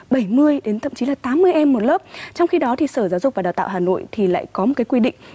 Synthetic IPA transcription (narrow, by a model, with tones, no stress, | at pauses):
ɓə˧˩jmɨ˧əjɗe˨˦nt̪ʰə̰˧˨mt͡ɕi˨˦laː˨˩t̪aː˨˦mːɨ˧əjʔɛ˧mːo˨˩t̚ləː˦˥p̚t͡ɕɔ˧wŋ͡mxi˧ɗɔ˨˦t̪ʰi˨˩səː˧˩zaː˨˦wzʊ˨˩k͡p̚vaː˨˩aː˨˩t̪a̰ː˧˨wɦaː˨˩no̰˧˨jt̪ʰi˨˩la̰ː˧˨jkɔ˨˦mo˨˩kaː˨˦jkwi˧ɗḭ̈˧˨ŋ̟